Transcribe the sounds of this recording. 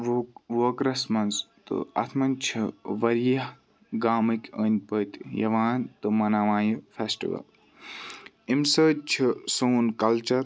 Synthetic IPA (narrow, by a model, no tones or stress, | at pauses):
ʋoːkɾɐsmɐnst̪ɨ̰ɐ̰t̪ʰmɐnʲt͡ʃʰiʋɐɾjɐh | ɡaːmɨkʲəːnʲpəːt̪jɐ̰ʋaːnt̪ɨmɐnaːʋãːjufʰesʈḭʋɐ̰l | imsəːt͡ʃʰisoːnkɐlt͡ʃɐɾ